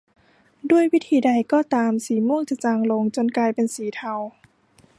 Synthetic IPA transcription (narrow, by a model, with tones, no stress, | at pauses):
du˥˩əjwi˦˥t̪ʰiː˨˧˦da˧jkɔː˧˩t̪aː˧msiː˩˦mu˥˩˨ŋt͡ɕa˧˩t͡ɕaː˧ŋlo˧ŋt͡ɕo˧nklaː˧jpe˧nsiː˨˩˦t̪ʰa˧w